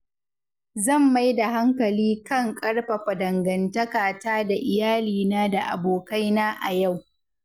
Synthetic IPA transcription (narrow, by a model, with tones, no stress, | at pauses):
zɐ˦˨mːa˦jda˨ɦa˦ŋkɐ˨liː˦kɐ˦ŋkʼɐ˦ɽɸɐ˨ɸa˨dɐ˨ŋɡɐ˨ntɐ˦kaː˨taː˦da˨ʔɪ˨jaː˦liː˨naː˦da˨ʔa̰˨boː˨ka˦jnaː˦ʔa˨ja˦˨w